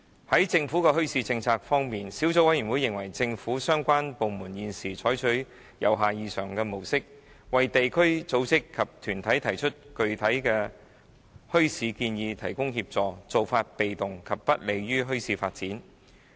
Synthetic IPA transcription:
hɐ˨˥jt͡sɪ˧ŋfu˨˥kɛː˧ɦɵ˥ɥsiː˧t͡sɪ˧ŋt͡sʰaː˧k̚fɔː˥ŋmiː˨nsiː˨˥wt͡so˧˥wɐ˨˥jyː˨˩wu˨˧jːɪ˨˩ŋwɐ˨˩jt͡sɪ˧ŋfuː˨˥sœː˥ŋkʷaː˥npo˨˧wmuː˨˩njiː˨˧nsiː˨˩t͡ʃʰɔː˨˥jt͡ʃʰɵ˨˥ɥ | jɐ˨wɦaː˨jiː˧sœː˨˩ŋkɛː˧mo˨˩wsɪ˥k̚ | wɐ˨jt̪e˨jkʰɵ˥ɥt͡so˨˥wt͡sɪ˥kʰːɐ˨p̚t̪ʰyː˨˩nt̪ʰɐ˨˥jt̪ʰɐ˨˩jt͡ʃʰɵ˥t̚kɵ˨˧ɥt̪ʰɐ˨˥jkɛː˧ | hɵ˥ɥsiː˨˧kiː˧njiː˨˧t̪ʰɐ˨˩jkʊ˥ŋhiː˧p̚t͡sɔː˨t͡so˨wfaː˧t̚pe˨jt̪ʊ˨ŋkʰɐ˨p̚ːɐ˥t̚le˨jɥyː˥ɦɵ˥ɥsiː˧fa̰ː˧t̚t͡siː˨˥n

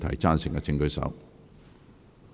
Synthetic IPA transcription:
t̪ʰɐ̰˨˩jt͡saː˥nsɪ˨ŋkɛ˧t͡sɪ˧ŋkɵ˨˧˥ɥsɐ̰˨˥w

